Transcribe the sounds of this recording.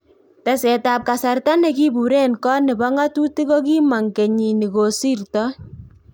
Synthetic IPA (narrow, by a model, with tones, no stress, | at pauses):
ta˨sɛ˨ta˨p̚ka˨sa˨rta˦nɛ˨ki˦bu˨ɾe˦nkɔ˦nɪ˨bɔ˦ŋa˦tu˦ti˦ko˦k̬i˦ma˨ŋke˨ɲi˨ni˨ko˨si˦rtɔ˦